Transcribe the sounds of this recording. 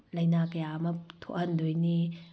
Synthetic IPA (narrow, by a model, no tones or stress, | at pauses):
lɐjnakɐjamɐtʰo̰ʔhɐndojni